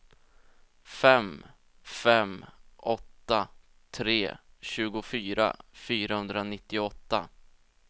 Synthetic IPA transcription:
fɛm | fɛmʔɔt̪ːa | t̪ʰɾeːɕʉ̟ːɡʊfyːɾa̰fyːɾahɵnd̪ɾanɪt̪ːɪɔt̪ːa

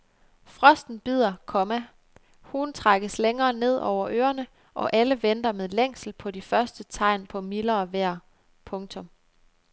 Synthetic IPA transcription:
fʁɒ̽sd̥n̩b̥ið̞̰ˠɐkʰɒ̽mæ | huːnt͡sʰʁaɡ̥əsleŋɐːne̝ð̞̰ˠʔɒʊ̰ɐʔøːɐnə | ʔɒ̽ʔæləʋend̥ɐmeðˠleŋ̰sl̩pʰɒ̽difɶɐsd̥ət͡sʰɑ̈ɪ̰npʰɒ̽milɐːʋæɐ̰ | pʰɔ̽ŋt͡sʰɔ̽m

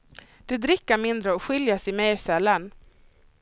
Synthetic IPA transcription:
d̪̥ɛd̪ɾɪkːaɾmɪnd̪ɾəɔɧɪljasɪmɛjɾsɛlːan

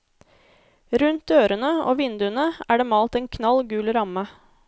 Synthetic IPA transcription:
ɾʉnt̪øːɾənəo̰ːʋɪnd̪ʉənəæːɖeːmɑːlt̪ɛːnkʰnɑlɡʉːlɾɑmə

